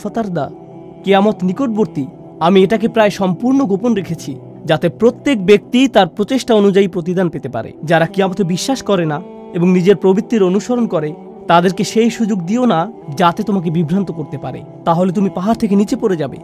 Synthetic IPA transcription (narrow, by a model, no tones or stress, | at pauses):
at̪aɾd̪a | keamot̪nikoʈ̚boɾt̪i | amieʈak̬epɾaeʃɔmpuɾnoɡʱoponɾekʰet͡ɕʰi | d͡ʑat̪epɾot̪ːekbek̚t̪it̪aɾpɾot͡ɕeʃʈaonud͡ʑaipɾot̪id̪ʱanpet̪epa̰ɾḛd͡ʑaɾakiamot̪ebiʃːaʃkɔɾena | eboŋnid͡ʑeɾpɾobit̪ːeɾonuʃoɾonkɔɾe | t̪ad̪eɾkeʃejʃud͡ʑoɡd̪ionad͡ʑat̪et̪omak̬ebibʱɾant̪okoɾt̪epaɾḛ | t̪aɦolet̪̬umipaɦaɾt̪ʰek̬enit͡ɕepoɾed͡ʑabḛ